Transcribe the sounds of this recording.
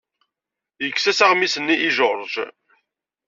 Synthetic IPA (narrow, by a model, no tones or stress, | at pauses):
jəkːsæsaʁmisənːiʔiʒoɾˤʒ